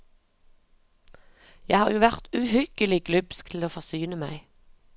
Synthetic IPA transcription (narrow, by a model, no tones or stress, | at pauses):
jæɪhɑːʁjuːʋæʁt̪ʉhʏkəlɪɡlʉpsk̚t̪ʰl̩oːfɔʁsyːnəmæɪ